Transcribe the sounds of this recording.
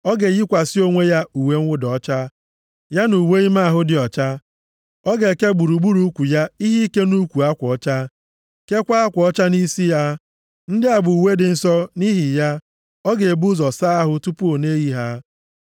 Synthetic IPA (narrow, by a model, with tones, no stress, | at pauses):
ɔ˦ɡe˨ji˦kʷa˨sɪ˦o˦ŋʷe˦ja˦u˨we˦ŋ̩ʷ˦ʊ˦dɔ˦t͡ʃa˦ | ja˦nu˨we˦i˦ma˦a˨ɦʊ˦dɪ˨ɔ˨t͡ʃa˦ | ɔ˦ɡe˨ke˦ɡ͡bu˨ɾu˨ɡ͡bu˦ɾu˦kʷu˨ja˦i˦ɦi˦ke˦nu˦kʷu˨a˦kʷɔ˦t͡ʃa˦ | ke˦kʷa˦a˦kʷɔ˦t͡ʃa˦ni˦si˦ja˦ | n̩˦dɪ˦a˨bʊ˨u˨we˦dɪ˨n̩˦sɔ˦ni˦ɦi˨ja˦ | ɔ˦ɡe˨bu˦zɔ˨sa˦a˦ɦʊ˦tu˦pu˦o˨ne˦ji˦ɦa˦